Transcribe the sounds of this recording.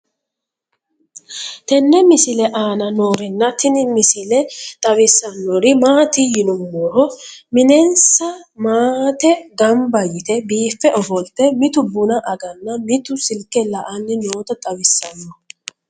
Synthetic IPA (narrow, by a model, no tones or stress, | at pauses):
t̪ɛnːɛmɪsɪlɛʔaːnɐno̞ːɾɪnːɐt̪ɪnɪmɪsɪlɛt̪ʼɐwɪsːɐnːoɾɪmaːt̪ɪjɪnʊmːɔɾɔmɪnɛnsɐmaːt̪ɛɡɐmbɐjɪt̪ɛbiːfːɛʔɔfɔlt̪ːɛmɪt̪ʊbʊnɐʔɐɡɐnːɐmɪt̪ʊsɪlkːɛlɐʔɐnːɪno̞ːt̪ɐt̪ʼɐwɪsːɐnːɔ